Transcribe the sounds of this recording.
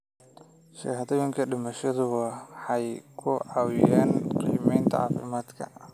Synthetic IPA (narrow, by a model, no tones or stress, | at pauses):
ʃɐ̰ːhɐðɔjɪŋkʰɐɖɪmɐʃɐðʊɣɐħɑjkʰʊʕɑwɪjaːnqḭːmɛjnt̪ʰɐ̰ʕɑ̰ːfɪ̰maːd̪kʰɐ̰